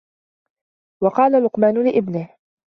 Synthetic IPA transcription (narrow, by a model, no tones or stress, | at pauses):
wɑqɑːlalʊqmaːnʊlɪʔɪbnɪh